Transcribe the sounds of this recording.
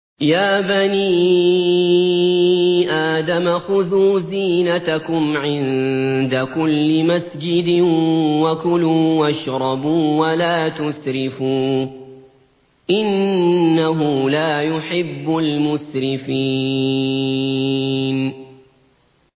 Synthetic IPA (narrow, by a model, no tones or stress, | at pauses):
jaːbaniː | ʔaːd̪amaxʊðuːziːnat̪akʊmʕɪnd̪akʊlːɪmasd͡ʒɪd̪ɪwakʊluːwaʃɾˤɑbuːwalaːt̪ʊsɾɪfuː | ʔɪnːaɦʊlaːjʊħɪbːʊlmʊsɾɪfiː | n